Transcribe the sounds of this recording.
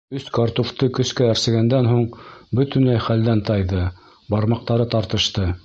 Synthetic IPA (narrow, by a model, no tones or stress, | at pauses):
ɵskɑɾt̪uft̪ɤkɵ̆skææɾsɘ̆ɡænd̪ænɦuɴbɵt̪ɵ̆nlæjχæld̪ænt̪ɑjðɤ | bɑɾmɑq̚t̪ɑɾɤt̪ɑɾt̪ɤ̆ʃt̪ɤ